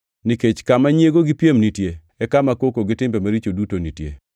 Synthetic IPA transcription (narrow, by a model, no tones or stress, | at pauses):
niket͡ʃkamaɲjeɡoɡɪpjemnitje | ɛkamakokoɡɪtɪmbemaɾit͡ʃodutonitjḛ